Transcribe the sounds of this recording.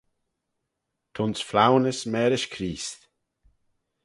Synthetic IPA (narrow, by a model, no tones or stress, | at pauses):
t̪ʰʊnsflawnəsmɛːɾɪʃkʰɾiːst̪